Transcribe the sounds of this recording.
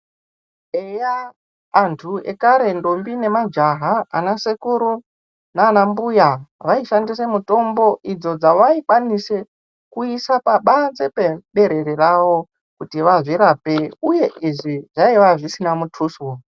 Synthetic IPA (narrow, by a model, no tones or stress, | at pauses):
ejaː | ntʰue̞̰kaɾe̞ndombine̞mad͡ʒaɦaanasekuɾu | naːnambujaʋaiʃandis̬e̞muto̞mbo̞ʔid͡zo̞d͡zaʋaikwanise̞ | kuisapaɓand͡ze̞peɓe̞ɾe̞ɾeraʋo̞ | kutiʋaʐiɾaːpe̞uje̞ʔiʐiʐaiʋaʐisinamutʰuːswo